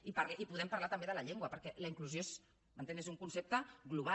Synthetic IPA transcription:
ipaɾlʔipuðɛmpɐɾlat̪əmbeðəlɐʎeŋɡwəpəɾkɛləiŋkluzjos | mənt̪enezuŋkunsep̚t̪əɣluβ̞a

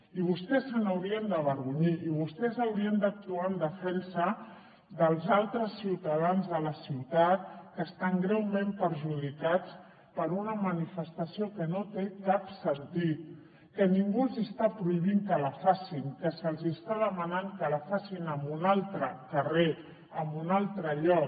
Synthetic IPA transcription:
iβ̞ust̪ɛsːənəwɾiənd̪əβəɾɣuɲiʔːβ̞ust̪ɛzəwɾiənd̪ək̚t̪uaənd̪əfɛnsə | d̪əlˠzalˠt̪ɾəsːiwt̪əðanzðələsiwt̪at̪̚kəːst̪aŋɡɾɛwmempəɾʒuðikat͡s | pəɾunəmənifəst̪əsiokənot̪ekapsənt̪it̪̚ | kəniŋɡulˠzist̪apɾuiβiŋkələfasiŋkəsəlˠzist̪aðəmənaŋkəlafasinəmbunalˠt̪ɾəkəre | əmbunalˠt̪ɾəʎɔk

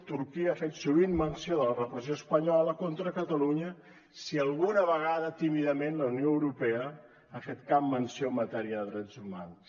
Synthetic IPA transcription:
t̪uɾkiəaːfet̪suβinmənsioðələrəpɾəzioəspəɲɔləkont̪ɾəkət̪əluɲə | siəlˠɣunəβəɣ̞aðət̪imiðəmenləunijoəwɾupɛə | afet̪kabmənsiomːət̪ɛɾiəðəðɾɛd͡zuma̰ns

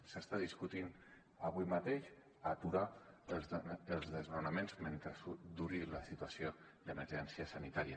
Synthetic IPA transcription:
səst̪aðiskut̪in | aβuimat̪eʃ | at̪uɾa | əlˠzðəznunəmenzment̪ɾəsud̪uɾiləsit̪uasio | d̪əməɾʒɛnsiəsənit̪aɾiə

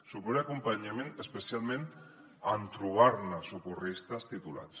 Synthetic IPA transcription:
supoɾeakumpaɲamenespesialmẽn | ant̪ɾuβaɾnasukurist̪ast̪it̪ula̰t͡s

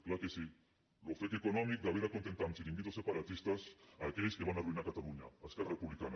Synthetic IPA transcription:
klakesi | lofekekonomik̚d̪aβiɾakont̪ent̪ansilĩŋɡit̪osepaɾat̪ist̪asaːkeʎskeβanaruinakat̪aluɲa̰aeskararepuβlikana

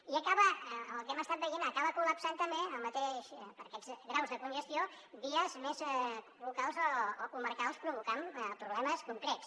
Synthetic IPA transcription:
iəkaβəəəlˠkɛməst̪at̪̚bəjenəkaβəkuləpsant̪əmbeəlˠmət̪eʃpəɾkɛzɣɾawzðəkunʒəst̪io | βiəzmez | βukalˠzoːkuməɾkalˠspɾuβukampɾuβlɛməskuŋkɾɛts

